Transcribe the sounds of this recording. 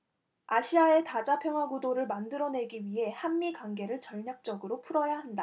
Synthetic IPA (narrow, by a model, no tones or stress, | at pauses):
aɕʰiae̞tad͡ʑapʰjʌŋɦwaɡudoɾɯɭmandɯɾʌne̞ɡiɥiɦe̞hanːikwaŋɡe̞ɾɯɭt͡ɕʌɭɲak̚t͡ɕ͈ʌɡɯɾopʰuɾʌjaɦanda